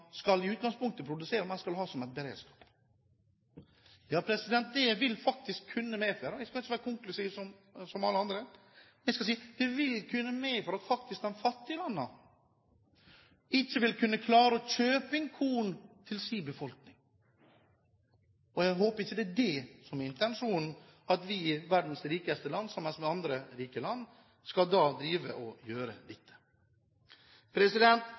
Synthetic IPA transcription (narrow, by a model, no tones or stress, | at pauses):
skɑlɪʉːt̪̚ɡɑŋspʊŋk̚t̪əpʰɾʊd̪ʉseːɾəmɛskɑlɦɑːsɔmɛɪt̪̚bəɾḛːd̪skɑ̥ːp | jɑːpʰɾɛsɪd̪ɛnt̪̚d̪ɛʋɪlfɑk̚t̪ɪskʰːʉnːəmɛːføɾəjæskɑlɪt͡ʃːəʋæːɾəkʰʊŋklʉsiːʋsɔm | sɔmɑləɑnd̪ɾə | mnæɪskɑsiːd̪̥ɛʋɪlkʰʉnːəmeːfɔɾɑt̪fɑk̚t̪ɪsk̚d̪ɛnfɑt̪ːɪəlɑnːə̰ | ɪçːəʋɪlkʰʉnːəkʰlɑːɾəɔçøːpɪŋkʰuːn̩t̪ʰɪlsiːbəfɔlknɪŋ | ɔjæɦoːpəɾɪçːəd̪ɛædɛsɔmɪnt̪ɛnʂuːnn̩ɑt̪ʋɪʋæɾɖ̪n̩sɾiːkəst̪əlɑnːsɑmːɛnsmɛɑnd̪ɾəɾiːkəlɑnː | skɑld̪ɑːd̪ɾiːʋə̰ʔɔjøːɾəlɛt̪ʰːə̥ | pʰɾɛsɪd̪ɛnt̪